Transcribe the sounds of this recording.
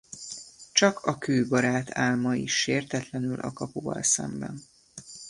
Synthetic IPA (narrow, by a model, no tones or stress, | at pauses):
t͡ʃɒkʰɒkøːbɒɾaːt̪ʰaːlmɒiʃːeːrt̪ɛt̪lɛnylʔɒ̰kɒpovɒ̰lsɛ̰mbɛ̰n